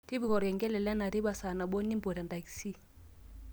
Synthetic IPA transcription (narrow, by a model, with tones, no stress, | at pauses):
ti˦bi˨ɣɔ˨ɾɛ˨ŋɡɛ˦lɛ˨lɛ˦na˨ɾi˦ba˨sa˨na˨ɓɔ˦ni˦mbɔ˨ɾa˨nda˨ksi˦